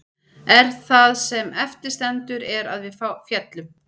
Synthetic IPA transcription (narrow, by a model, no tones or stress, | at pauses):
ɛɾ̥θaðsɛmɛft̪ɪɾ̥st̪ɛnt̪ʏɾɛɾa̰ðvɪðfafjɛt̪lʏm